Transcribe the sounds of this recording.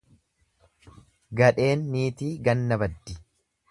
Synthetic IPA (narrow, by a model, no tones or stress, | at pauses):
ɡɐᶑe̞ːnːiːt̪iːɡɐnːɐbɐd̪ːɪ̥